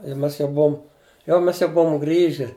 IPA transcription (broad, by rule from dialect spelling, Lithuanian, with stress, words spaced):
ɪ ˈmʲɛs jɛʊ ˈbuɔm ˈjɛʊ ˈmʲɛs jɛʊ ˈbuɔm ˈɡrʲiːʒʲɪ